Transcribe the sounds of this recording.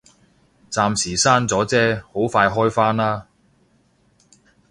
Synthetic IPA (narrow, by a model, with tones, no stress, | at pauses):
t͡saː˧msiː˨˩saː˥nt͡sɔː˨˥t͡sɛː˥ho˨˥wfaː˧jɦɔː˥jfaː˥naː˥